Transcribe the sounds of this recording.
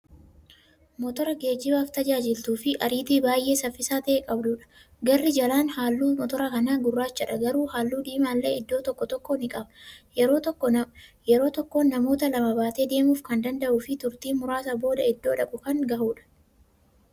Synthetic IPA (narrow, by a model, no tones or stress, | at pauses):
mɔt̪ɔɾɐɡe̞ːd͡ʒɪbaːft̪ɐd͡ʒaːd͡ʒɪlt̪uːfɪʔɐɾiːt̪iːbaːjʔe̞ːsɐfːɪsaːt̪ɐʔeːkʼɐbd̪ʊᶑɐ̥ | ɡɐrːɪd͡ʒɐlaːnhaːlːuːmɔt̪ɔɾɐkɐnaːɡʊrːaːt͡ʃːɐᶑɐɡɐɾuːhaːlːuːᶑ̪iːmaːlːḛːɪd̪ːo̞ːt̪ɔkːɔt̪ɔkːoːnɪkʼɐbɐɾoːtː | jɛɾo̞ːt̪ɔkːo̞ːnːɐmo̞ːt̪ɐlɐmɐbaːt̪eːd̪e̞ːmuːfkɐnd̪ɐnd̪ɐʔuːfɪt̪ʊɾt̪iːmʊɾaːsɐbo̞ːd̪ɐɪd̪ːo̞ːᶑɐkʼʊkɐŋɡɐhuːᶑɐ̥